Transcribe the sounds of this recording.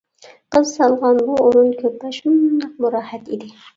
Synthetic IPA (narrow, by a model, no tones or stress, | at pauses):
qɨzsɑlˠʁɑnbuoɾʊnkʲʰɵpːæʃʊnd̪ɑq̚mʊɾɑːhat̪id̪ɪ